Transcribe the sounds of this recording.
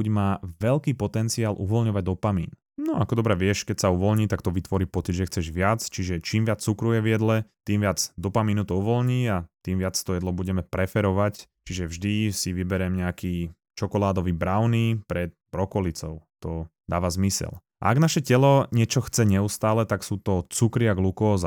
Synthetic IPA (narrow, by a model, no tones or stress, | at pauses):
uɟmaːʋɛlkiːpɔt̪ɛnt͡siaːlʔṵʋɔlɲɔʋaɟ̚d̪ɔpamḭːn | nɔakɔd̪ɔbɾɛʋɪɛʃkɛcsauʋɔlɲiːt̪akt̪ɔʋit̪ʋɔɾiːpɔt͡sid̪ʒɛxt͡sɛʒʋɪat͡st͡ʃiʒɛt͡ʃiːmʋɪat͡st͡sukɾujɛʋjɛd̪lɛt̪iːmʋɪad͡zd̪ɔpamiːnut̪ɔuʋɔlɲiːat̪iːmʋɪat͡st̪ɔjɛd̪lɔbuɟɛmɛpɾɛfɛɾɔʋact͡ʃiʒɛvʒd̪isiʋibɛɾɛmɲɛakiː | t͡ʃɔkɔlaːd̪ɔʋiːbɾaʊniːpɾɛt̪̚bɾɔkɔlit͡sɔʊt̪ɔd̪aːʋazmisɛ̰l | a̰aɡnaʃɛcɛlɔɲɛt͡ʃɔxt͡sɛɲɛust̪aːlɛt̪aksuːt̪ɔt͡sukɾiaɡlukɔːz